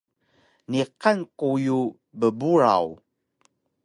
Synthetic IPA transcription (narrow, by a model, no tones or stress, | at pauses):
niqankuju | bəbuɾa̰w